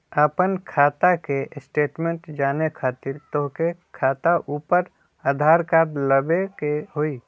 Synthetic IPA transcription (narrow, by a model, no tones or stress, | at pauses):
aːpənkʰaːt̪akesʈeːʈmẽɳʈd͡ʒaːnekʰaːt̪ɪɾt̪oɦkekʰaːt̪aʔuːpəɾ | aːd̪ʱaːɾkaːɾləbekeɦoːiː